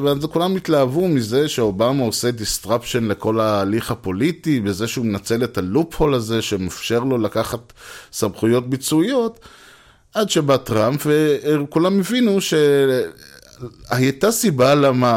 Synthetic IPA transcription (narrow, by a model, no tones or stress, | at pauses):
veazekulamit̪laːvumize̞ʃeo̞bamao̞se̞d̪ist̪ʁapʃenle̞ko̞laːliχapo̞litibeze̞ʃeumenat͡se̞let̪alupho̞laze̞ʃe̞mafʃe̞ʁlo̞lakaχat̪samχujo̞t̚bit͡suijo̞t̪ | adʃe̞bat̪ʁampvekulamevinuʃe̞ | aat̪asibalama